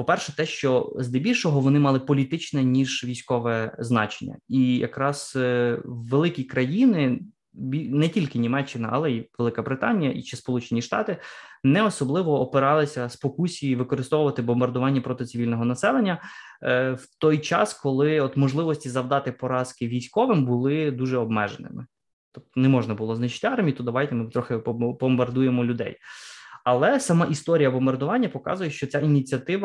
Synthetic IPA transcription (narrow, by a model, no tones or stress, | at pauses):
pɔpɛrʃɛt̪ɛʃt͡ʃɔzd̪ɛbʲilʲʃɔɦɔʋɔnɪmɑlˠɪpɔlʲit̪ɪt͡ʃnɛnʲiʒʋʲijsʲkɔʋɛznɑ̰t͡ʃenʲːɐ̰ijɐ̰kɾɑz̥ | ʋelˠɪkʲikɾɐjinɪ | bʲinɛtʲilʲkɪnʲimɛt͡ʃːɪnɐʔɐ̰lˠɛiʋelˠɪkɐbɾɪt̪ɑnʲijɐʔḭt͡ʃɪspɔlˠut͡ʃenʲiʃt̪ɑ̰t̪ɪnɛɔsɔblˠɪʋɔːpɪɾɑlˠɪsʲɐspɔkusʲijiʋɪkɔɾɪst̪ɔʋʊʋɐt̪ɪbɔmbɐrd̪ʊʋɑnʲːɐpɾɔt̪ɪt̪sɪʋʲilʲnɔɦɔnɐsɛlˠenʲːɐ | wt̪ɔjt͡ʃɑ̰skɔlˠɪɔt̪mɔʒlˠɪʋɔsʲtʲizɐwd̪ɑt̪ɪpɔɾɑskɪʋʲijsʲkɔʋɪmbʊlˠɪd̪uʒɛɔbmɛ̰ʒenɪ̰mɪ̰ | t̪ɔp̚t̪ɔnɛmɔʒnɐbʊlˠɔznɪt͡ʃɪ̥tʲɑrmʲijit̪ud̪d̪ɐʋɑjt̪ɛmɪt̪ɾɔxɪbɔmbɐrd̪ujemɔlʲʊd̪ɛ̰jɐlˠɛsɐmɑʔist̪ɔɾʲijɐbɔmbɐrd̪ʊʋɑnʲːɐpɔkɑ̰zʊjɛʃt͡ʃɔt͡sʲainʲit͡sʲiɐt̪ɪʋɐ